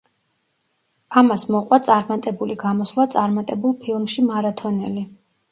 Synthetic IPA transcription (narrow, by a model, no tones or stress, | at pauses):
amasmɔqʼwat̪sʼaɾmat̪ʼɛbuliɡamɔslˠat̪sʼaɾmat̪ʼɛbulˠpʰilˠmʃimaɾat̪ʰɔnɛli